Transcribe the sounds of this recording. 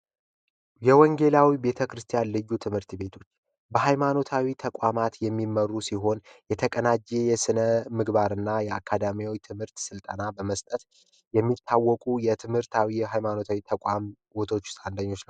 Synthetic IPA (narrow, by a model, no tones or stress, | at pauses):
jɛwɔŋɡe̞lawibe̞t̪ʰəkɾɨst̪ʰijanlɨjːut̪ʰɨmhɨɾt̪be̞t̪ʰo̞t͡ʃː | bəɦajmano̞t̪ʰawit̪ʰəkʷʼwamat̪jɛmːimːərːusiɦo̞njɛt̪ʰəkʼənad͡ʒejɛsɨnəmɨɡbaɾɨnːajɛakʰːad̪amijwojt̪ʰɨmhɨɾt̪sɨlt̪ʼənabəməst̪ʼət̪ | jɛmːit̪ʰːawːɔkʼujɛt̪ʰɨmhɨɾt̪ʰawijɛɦajmano̞t̪ʰawit̪ʰəkʷʼam | wot̪ʰo̞t͡ʃːɪ̥sʼand̪aɲːo̞t͡ʃnəww